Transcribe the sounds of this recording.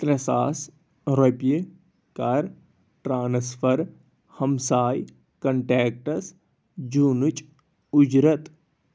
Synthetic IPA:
t̪ɾɐsaːs | ɾope | kɐɾ | ʈɾaːnsfʰɐɾ | hɐmsaːj | kɐɳʈeːk̚ʈɐs | d͡ʒuːnut͡ʃʼ | ʊd͡ʒɾɐt̪

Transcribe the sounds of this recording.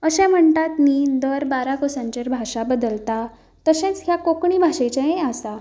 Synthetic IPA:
əɕɛ̃m̤əɳt̪at̪miːd̪əɾbaɾakosãɲt͡ɕeɾbʱaʂabəd̪əlt̪a | t̪əɕẽt͡sɦjakokɳiːbʱaɕet͡ɕeẽasa

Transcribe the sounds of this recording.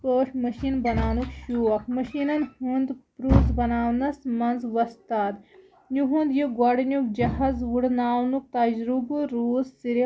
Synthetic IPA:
poːʂmɐʃinbɐnaːnukʃuːʋɐkmɐʃinɐnhund̪pɾuːzbɐnaːwnɐsmɐnzʋɐst̪aːd̪ | nuɦũnd̪juɡoɽnʲukd͡ʒɐɦɐzʋuɽnaːwnuk̚t̪ɐd͡ʒɾubuɾuːzːiɾi

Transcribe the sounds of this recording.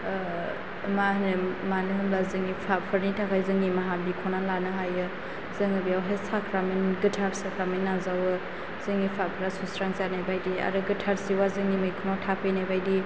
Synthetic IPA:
maɦnɯmanɯɦɯmlazɯŋipʰapʰɯɾnitʰakʰajzɯŋnimaɦambikʰɔnalanɯɦajɯ | zɯŋɯbijawɦesakʰɾaminɡɯtʰaɾsakɾaminːazawɯ | z̥ɯŋipʰapʰɯɾasusɾaŋzanajbajdia̰ɾɯɡɯtʰaɾsiwazɯŋnimɯjkʰonatʰapʰɯjnajbajdi

